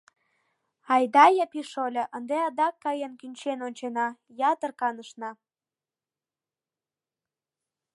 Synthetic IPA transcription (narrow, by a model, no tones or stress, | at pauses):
ɑjd̪ɑjəpiʃolʲɤʔənd̪eɑd̪ɑkːɑjənkynʲt͡ɕenonʲt͡ɕenɑjɑt̪ərkɑnəʃnɑ